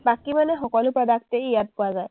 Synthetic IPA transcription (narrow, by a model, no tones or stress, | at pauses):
bakimanɛxɔkɔlʊpɹɔdak̚teijat̚pʊazaj